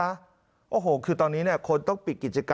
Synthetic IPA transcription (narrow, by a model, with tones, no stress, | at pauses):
a˦˥ | ʔoː˧˩ɦoː˨˩kʰɯː˧t̪ɔː˧nːiː˦˥ni˥˩ɐkʰo˧nt̪ɔ˥˩ŋpi˨˩ki˨˩t͡ɕa˧kaː